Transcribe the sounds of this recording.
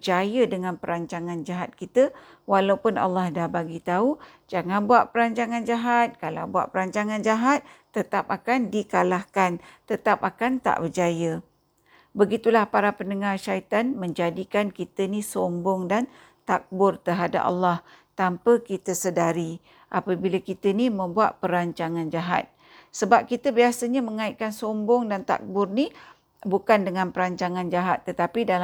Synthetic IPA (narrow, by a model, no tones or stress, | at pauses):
bd͡ʒajədəŋanpəɾaɲt͡ʃaŋand͡ʒaɦat̪̚kit̪ə | walawpʊnʔa̰lːahdabaɡit̪au | d͡ʒaŋanbuaʔ̚pəɾaɲt͡ʃaŋand͡ʒaɦat̪̚kalawbua̰ʔpəɾaɲt͡ʃaŋand͡ʒaɦat̪̚ːət̪apakandikalahkant̪ət̪ap̚akant̪a̰ʔbəd͡ʒajə | bəɡit̪ulahpaɾapənəŋarʃait̪anmə̃ɲd͡ʒadikankit̪ənisombɔŋdan | t̪ak̚bʊrt̪əɦada̰p̚a̰lːaht̪ampəkit̪əsədaɾi | ʔapəbilakit̪ənimə̃mbuat̪̚pəɾaɲt͡ʃaŋãnd͡ʒaɦa̰t̪̚ | səbap̚kit̪əbiasəɲaməŋaiʔ̪̚kansombɔŋdant̪a̰k̚bʊrni | bukandəŋãnpəɾaɲt͡ʃaŋand͡ʒaɦat̪ːət̪apida